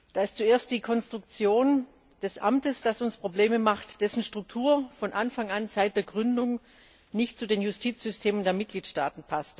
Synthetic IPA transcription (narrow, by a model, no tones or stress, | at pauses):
d̥aːɪst͡sueːɐst̚d̥iːkʰɔnstʁ̥ʊk̚t͡sjoːn | d̥ɛsʔa̰mtəsd̥asʊnspʁ̥obleːməmaχtd̥ɛsn̩ʃtʁ̥ʊk̚tʰuːɐfɔnʔanfaŋanzaɪt̚d̥eːɐɡʁʏndʊŋ | nɪçtt͡sudeːnjʊstʰiːt͡sz̥ʏstʰeːməndeːɐmɪt̚ɡ̥liːtʃta̰ːtn̩pʰast